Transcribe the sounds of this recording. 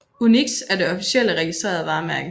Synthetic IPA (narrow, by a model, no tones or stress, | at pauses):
uniɡ̥sæɐd̥e̝ɒ̽fi̥sel̰əʁɛɡ̥isd̥ʁḛːɐðˠʋɑ̈mæɐɡ̥̩